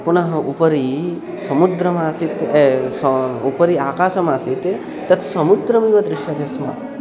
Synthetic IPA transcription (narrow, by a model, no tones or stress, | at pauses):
punɐɦɐʔupɐɾi | sɐmud̪ɾɐmasit̪supɐɾiaːkaːʃɐmaːsit̪ | t̪ːɐt̪ʰsɐmud̪ɾɐmiʋɐd̪ɾɪʃjɐd̪ʱɐsmɐ̰